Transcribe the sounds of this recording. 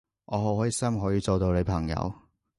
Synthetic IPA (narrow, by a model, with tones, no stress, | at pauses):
ʔɔː˨˧ɦo˨˥whɔː˨˥ji˨˧sɐ˥mɦɔː˨˥jiː˧t͡so˨wt̪o˧wle˨˧jpʰɐ˨˩ŋjɐ̰˨˧w